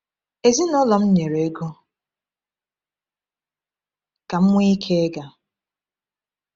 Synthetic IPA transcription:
e˨zi˦nɔ˦lɔ˨m̩˦ɲe˨ɾe˨˦ɡo˦ | ka˨m̩˦mʷ˦i˦kʰe˦e˦ɡa˨

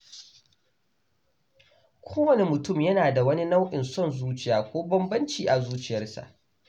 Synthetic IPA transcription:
kʷʰoː˦wɐ˨ne˦mʊ˨tʊ˦˨mjɐ˦naː˨da˨wɐ˦ni˦na˦wʔɪ˨nsɔ˦˨nzuː˦t͡ʃɪ˨jaː˨kʷoː˦bɐ˦mbɐ˦nt͡ʃiː˨ʔa˨zuː˦t͡ʃɪ˨jɐ˦rsa̰˨ʔ

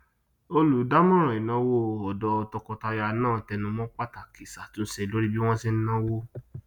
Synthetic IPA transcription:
o˧lu˨˦da˦mɔ̃˦ɾ̃ã˨i˨nã˨˦wo˦ɔ˨dɔ˧˦ɔ˧tɔ˧kɔ˧ta˧ja˧nãː˦˨tɛ˧nũ˧mɔ̃˦k͡pa˦ta˨ki˨sa˨tũ˨˦n̩˦ʃɛ˧˦lo˦ɾi˦bi˦w̃ɔ̃˦si˦n̩˦nã˦wo˦

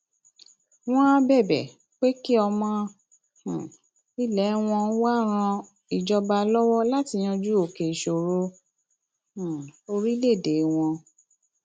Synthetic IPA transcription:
w̃ɔ̃˦a˦bɛ˦˨bɛ̰˨ | k͡pe˦ki˦ɔ˧mɔ̃˧˨ | i˦lɛ˨˦w̃ɔ̃˧˦wa˦ɾ̃ã˧ | i˨d͡ʒɔ˧ba˧lɔ˦wɔ˦la˦ti˧j̃ã˧d͡ʒu˦o˨ke˨ʃo˨ɾo˦˨ | o˧ɾi˦le˦˨de˨˦w̃ɔ̃˧

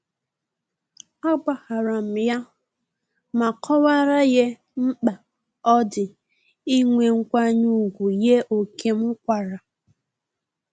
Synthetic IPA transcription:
a˦ɡ͡ba˨ha˨ɾa˨m̩˨ja˦ | ma˨kʰɔ˦wa˦ɾa˦je˦ | m̩˦k͡pa˨ | ɔ˦dɪ˨ | i˦ŋʷe˨ŋ̩˦kʷa˦ɲu˦˨ɡʷu˨je˦ʔo˨kʰe˦m̩˦kʷa˨ɾa˨

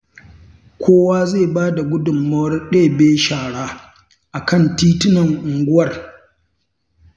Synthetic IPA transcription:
kʷʰoː˦waː˦zeː˦˨baː˦da˨ɡʷʊ˦dʊ˨mːɐ˦wɐ˦rɗeː˦˨beː˦ʃaː˨ɽaː˦ | ʔa˨kɐ˦˨ntiː˦tɪ˦nɐ˨ŋʔʊ˨ŋɡʷʊ˦wɐ˨r

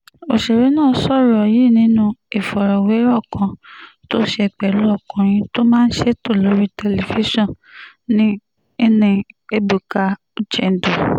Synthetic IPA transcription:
o˨ʃe˨ɾe˨˦nãː˦˨˦sɔ˦˨ɾɔ˨ji˦˨nĩ˨˦nũ˦e˨fɔ˨ɾɔ˨we˨˦ɾɔ˦˨kã˧to˦ʃe˦˧ɛ˨k͡pɛ˨lu˦ɔ˦˨kɔ̃˨ɾ̃ĩ˧to˦mãː˦n̩˦ʃe˦to˦˨lo˨˦ɾi˦tɛ˧˨le˨fi˦ʃɔ̃˦˨ | nĩ˦ | i˦nĩ˧e˦bu˨ka˨˧ | u˦d͡ʒɛ˨n˨do˨

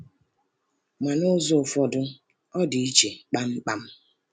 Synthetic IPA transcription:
ma˨no˦zɔ˦˨fɔ˨dʊ˦ | ɔ˦di˨i˦t͡ʃe˨k͡pa˦m̩˦k͡pa˦m̩˦

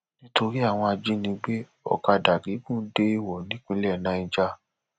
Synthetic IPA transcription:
nĩ˦to˧ɾi˦a˦˨w̃ɔ̃˧a˧d͡ʒi˦nĩ˧ɡ͡be˦ | ɔ̰˨ka˧da˨ɡi˨˦kũ˦˨n̩˦de˦i˦˨wɔ˨nĩ˨˦k͡pĩ˧˦lɛ˦˨nã˨˧˦ĩ˧d͡ʒa˧

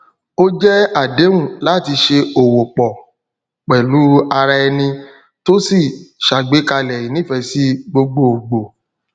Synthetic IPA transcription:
o˦d͡ʒɛ˦a˦˨de˨˦wũ˦˨la˦˨ti˧ʃe˧o˨wo˨k͡pɔ˨ | k͡pɛ˨lu˨˦a˧ɾa˧ɛ˧nĩ˧ | to˦si˦˨ʃa˨ɡ͡be˨˦ka˧lɛ˨i˨˦nĩ˦˨fɛ˧si˦ɡ͡bo˧ɡ͡bo˦˨ɡ͡bo˨

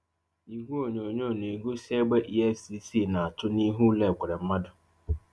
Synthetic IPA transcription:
i˨ɡʷu˦o˨ɲo˨ɲo˦˨ne˨ɡo˦se˦ɡ͡be˦ʔi˦e˦fsi˦si˦˨na˨a˨tʊ˦ni˦ɦu˦lɛ˨kʷʊ˨ɾɛ˨m̩˦ma˦dʊ˨

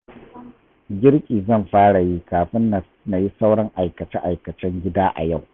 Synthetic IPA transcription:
ɡʲɪ˦ɾkʲʼiː˨zɐ˦˨mɸaː˦ɽa˨ji˦kaː˨ɸɪ˦n˨ | na˨ji˦sa˦wɽɐ˦ŋʔa˨jkɐ˨t͡ʃɛ˦ʔa˨jkɐ˨t͡ʃɛ˦ŋɡʲɪ˦daː˦ʔa̰˨ja˦˨w

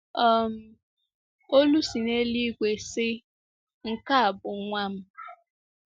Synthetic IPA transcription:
ɔ˦˨m̩˦ | o˦lu˦si˨ne˦li˦ɡʷe˨sɪ˦ | ŋ̩˦ka˦a˨bʊ˨ŋʷa˦m̩˦

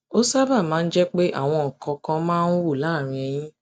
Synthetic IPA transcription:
o˦sa˦ba˦˨mãː˨˦n̩˦d͡ʒɛ˦k͡pe˦ʔa̰˦˨w̃ɔ̃˧ŋ̩˨kã˧kã˧mãː˦nu˦wu˦˨la˨˦˨ɾ̃ĩ˧ɛ˧j̃ĩ˦

